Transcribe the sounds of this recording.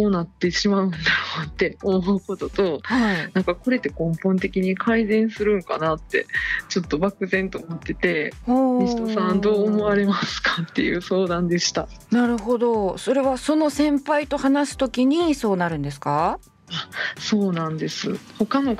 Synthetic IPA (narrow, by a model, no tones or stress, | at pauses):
so̞ːnat̪ːeɕimaɯ̟̃nd̪ajot̪ːe̞omoɯ̟ko̞t̪o̞t̪o̞hainãŋkako̞ɾe̞t̪ːe̞kõ̞mpõ̞nt̪e̞kʲiɲ̟ikʰaizẽ̞ɰ̃sɨɾɯ̟̃ŋka̰nat̪ːe̞̰t͡ɕo̞t̪ːo̞bakɯ̟zẽ̞nt̪oːmot̪ːe̞t̪e̞omʲisit̪osãnd̪o̞ːmo̞aɾe̞masɨ̥kḁt̪ːe̞̰jɯ̰ːso̞ːd̪ãnd̪e̞ɕi̥t̪anaɾɯ̟ɦo̞d̪o̞so̞ɾe̞βaso̞no̞sẽ̞mpait̪o̞hanasɨ̥t̪o̞kʲiɲ̟iso̞ːnaɾɯ̟̃nd̪e̞sɨ̥ka | aso̞ːnãnd̪e̞sɨ̰ho̞kano̞